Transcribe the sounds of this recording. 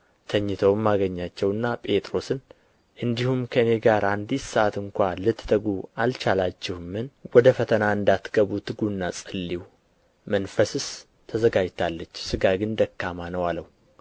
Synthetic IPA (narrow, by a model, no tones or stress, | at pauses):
t̪ʰəɲːɨt̪ʰəwmːaɡəɲːat͡ʃːɛwɨnːapʼe̞t̪ʼɾo̞sɨn | ʔɨnd̪ihumkʰəɨne̞ɡaɾʔand̪issəʔat̪ɨŋkʷalɨt̪ːt̪ʰəɡualt͡ʃalat͡ʃːɪhmɨnwɔd̪əfət̪ʰənaɨnd̪at̪ɡ̥əβut̪ʰɨɡunːasʼɨlːiw | mənfəsɨs | t̪ʰəzəɡad͡ʒt̪ʰalːət͡ʃːsɨɡaɡɨnd̪əkːamanəwaləw